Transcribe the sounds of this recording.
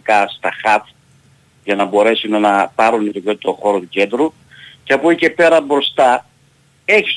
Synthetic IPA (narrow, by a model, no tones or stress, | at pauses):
kɐst̪ɐxɐt̪ | ʝɐnɐbo̞ɾe̞sunnɐpɐɾunit̪ocot̪it̪oxo̞ɾot̪uce̞nd̪ɾu | ceɐpuice̞pe̞ɾɐbɾo̞st̪ɐ | e̞çi̥s